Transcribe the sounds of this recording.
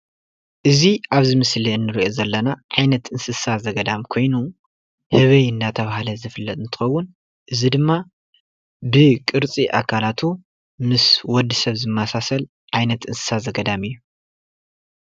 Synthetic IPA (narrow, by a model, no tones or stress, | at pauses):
ʔɨziʔaβzɨmɨsliɨnːɨɾiʔo̞zɐlːɐnaʕajnɐt̪ɨnsɨsazɐɡɐd̪amkʰo̞jnu | hɨβɐjɨnd̪at̪ʰɐβahalɐzɨfɨlːɐt̪ʼɨnt̪ʰɨ̥xɐwːʊn | ʔɨzid̪ɨmːa | bɨkʼɨɾt͡sʼiʔa̰kʰalat̪ʰu | mɨswɔd̪ːisɐβzɨmːasasɐl | ʕajnɐt̪ɨnsɨ̥sazɐɡɐd̪amɨjːu